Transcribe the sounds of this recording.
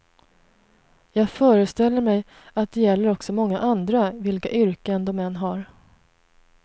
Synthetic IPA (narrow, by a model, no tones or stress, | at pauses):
jɑːɡfœːɾəst̪ɛlːəɾmɛj | at̪̚d̪ɛjɛlːəɾɔksɔmɔŋːaʔand̪ɾavɪlka̰ʔʏɾkənd̪ɔmːɛnːɦaɾ